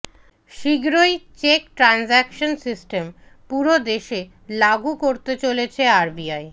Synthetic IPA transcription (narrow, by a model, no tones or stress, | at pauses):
ʃiɡɾojt͡ɕekʈɾanzɛkʃonsisʈem | puɾod̪eʃe | laɡukoɾt̪et͡ɕolet͡ɕʰeaɾbiaj